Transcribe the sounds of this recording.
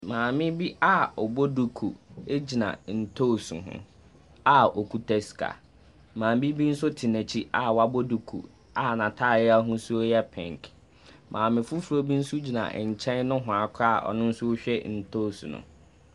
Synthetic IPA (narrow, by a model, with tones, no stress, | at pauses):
mãː˨mɪ̃˦bi˦a˦ɔ˨bo˦du˨kʰu˨e˦d͡ʑi˨nã̰˨n̩˨tʰo˦˨sṵ˨ɦʊ̰̃˦ | a˨o˨kʰu˦tʰɛ˦skʰa̰˨ | mãː˨m˦bi˦bi˦n̩˦sʊ˦tʰɪ˨nɛ̃˨t͡ɕʰi˦ʔa˨wa˦bo˦du˨kʰṵ˨ | a˨nã˨tʰa˦˨jɪ˦a˦ɦʊ̃˦su˦jɛ˦pʰɛ̰̃˨ŋkʰ | mʔãː˨mɪ̃˨fu˦fu˨ɾo˦bi˦n̩˦sʊ˦d͡ʑi˨nã̰˨ɲ̩˨t͡ɕʰɛ̃˦nnʊ̃˦ɦʊ̃˨a˨kʰa̰˦˨ʔɔ̰˨nʊ̃˦n̩˦sʊ˦o˦ɕᶣɛ˦n̩˨tʰo˦˨sṵ˨nʊ̰̃˨